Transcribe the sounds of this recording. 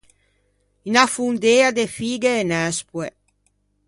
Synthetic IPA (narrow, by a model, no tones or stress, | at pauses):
inafund̪ead̪efiːɡeːnɛspwe